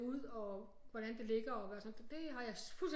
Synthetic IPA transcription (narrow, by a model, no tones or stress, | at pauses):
uð̰ˠɒ̽ | ʋɒɾ̥ænd̥e̝le̝ɡ̥ɐɒ̽ʋæɐsɒnd̥e̝ɦɑ̈jɑ̈ɪfuls